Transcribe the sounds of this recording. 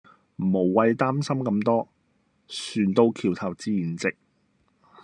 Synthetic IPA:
m̩˨˩mo˨˩wwɐ˧jt̪aː˥msɐ˥mkɐ˧mt̪ɔː˥ | syː˨˩nt̪o˧wkʰiː˨˩wt̪ʰɐ˨˩wt͡siː˧jiː˨˩nt͡sɪ˨k̚

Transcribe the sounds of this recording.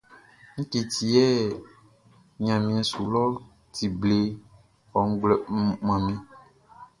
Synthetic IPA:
ŋ̩̃˦ke˨t̪ʰi˨ɛ˦ | ɲã˨mĩ˨ã˨su˨lɔ˦ | t̪i˨ble˦ | ɔ˨ŋ̩˦ɡ͡blɛ˦˨˦mã˨mĩ˦

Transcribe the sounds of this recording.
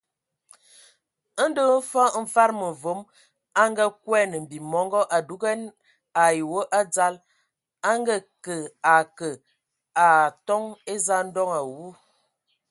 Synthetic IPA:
ə˦n˦də˦fɔ˦ɱ̩˨fa˦ɾmə˨vo˨˦m | a˦ŋɡa˦kwɛ˦nə˨m̩˨bi˨mɔ˨˦ŋɡɔ˦ʔa˨du˦ɡɛ˦n | a˨ji˨wə˦ʔa˦d͡za˦l | a˦ŋɡa˦kə˨a˨kə˨ | a˨tɔ˦ŋe˦za˦n̩˦dɔ˦ŋa˨wu˦

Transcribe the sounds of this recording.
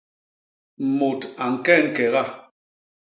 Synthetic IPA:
m̩˨mo˨ta˨ŋ̩˨kɛ˦˨ŋ̩˦˨kɛ˨ɣa˦

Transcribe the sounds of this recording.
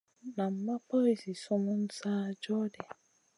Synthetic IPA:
nã˨m̩˦mã˦pɔ˦i˨si˨sʊ˦mʊ̃˦n̩˦saː˦d͡ʒɔ˦dɛ˨

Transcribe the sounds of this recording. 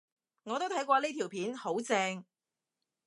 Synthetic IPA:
ŋɔː˨˧t̪o˥wt̪ʰɐ˨˥jkʷɔː˧liː˥t̪ʰiː˨˩wpʰiː˨˥nho˨˥wt͡sɛː˧ŋ

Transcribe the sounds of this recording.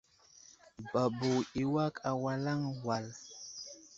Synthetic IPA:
ba˨bu˨i˨wa˦ka˨wa˨la˦ŋwa˨l

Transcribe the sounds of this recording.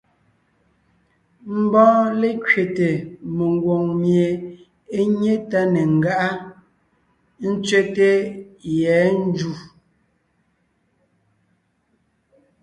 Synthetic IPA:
m̩˦˨bɔ̃ː˦le˦kɥe˨te˨me˨ŋ˨ɡwo˨ŋmje˨ | e˦ɲe˦ta˦ne˨ŋ̩˨ɡa˦ʔa˦ | n̩˦t͡sɥe˦te˦jɛː˨˦n̩˦d͡ʒu˦˨

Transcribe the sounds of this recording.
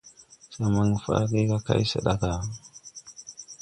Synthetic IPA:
sa˨ma˨ŋ˨fa̰˦ɡi˦ɡa˦ka̰˦˨i˦sə̰˨ɗa˦ɡa˨

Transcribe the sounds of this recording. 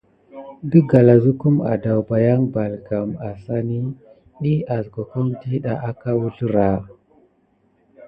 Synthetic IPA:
bi˦ɡa˨la˨zu˦ku˦ma̰˨da˨wba˨ja˦ŋba˨lɡa˨ma˨sa˦ni˦ | ɗi˦a˨zɡo˨ko˦mdi˦ɗa˨ʔa˦ka˦wu˦ɬu˦ɾa˨

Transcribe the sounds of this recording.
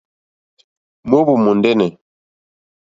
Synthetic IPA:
mo˦bu˨mo˨ndɛ˦nɛ˨

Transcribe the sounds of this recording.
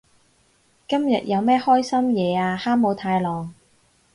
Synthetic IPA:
kɐ˥mjɐ̰˨t̚jɐ˨˧wmɛː˥hɔː˥jsɐ˥mjɛː˨˧aː˧haː˥mmo˨˧wt̪ʰaː˧jlɔː˨ŋ

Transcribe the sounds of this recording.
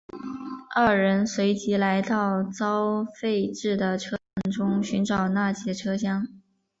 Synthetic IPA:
ɐ˥˩ɻə˧˥nswe˧˥ɪt͡ɕi˧˥la˧˥ɪt̪ɑ˥˩ʊt͡sɑ˥ʊfe˥˧ɪʈ͡ʂɻ̩˥˩d̪ə˩ʈ͡ʂʰɤ˥ɑ˧˥ŋʈ͡ʂʊ˥ŋɕy˧˥nʈ͡ʂɑ˨˩ʊna˥˩t͡ɕjɛ˧˥˩ʈ͡ʂʰɤ˥ɕjɑ˥ŋ

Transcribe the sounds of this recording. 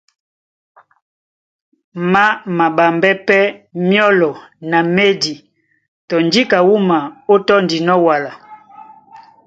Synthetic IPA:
ma˦ma˨ba˨mbɛ˦pɛ˦mjɔ˦lɔ˨na˨me˦di˨ | tɔ˨ndi˦ka˨wu˦ma˨o˦tɔ˦ndi˨nɔ˦wa˨la˨

